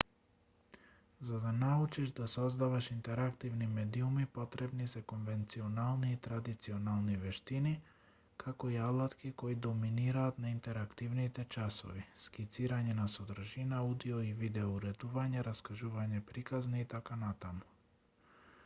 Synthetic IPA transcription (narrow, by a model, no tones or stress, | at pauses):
zad̪anaut͡ʃiʒd̪asɔzd̪avaʃint̪ɛɾakt̪ivnimɛd̪iumipot̪ɾɛbnisɛkonvɛnt̪sionalˠniːt̪ɾad̪it̪sionalˠnivɛʃt̪ini | kakoiad̪lˠat̪kikoid̪ɔminiɾaːt̪naint̪ɛɾakt̪ivnit̪ɛt͡ʃaso̰viskit̪siɾaɲɛnasod̪ɾaʒinaud̪ioivid̪ɛouɾɛd̪uvaɲɛɾaskaʒuvaɲɛpɾikazniːt̪akanat̪amu̥